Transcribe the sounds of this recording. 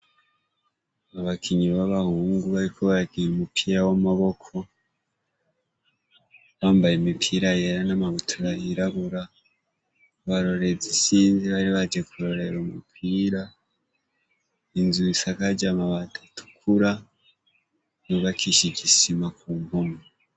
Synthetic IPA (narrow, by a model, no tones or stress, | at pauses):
aβakʰiɲiβaβahuːŋɡuβaɾikʰoβaɾaɡiɾumupʰiːɾawamaβo̞kʰo̞ | βaːmbajemipʰiːɾajeɾanamaβutʰuɾaiɾaβuɾa | βaɾo̞ɾe̞d͡zisiːnziβaɾiβad͡ʒekuɾo̞ɾe̞ɾumupʰiːɾa | inzuisakad͡ʒamaβatʰḁtʰu̥kʰuɾa | noβakiʃiɟisimakuːmoma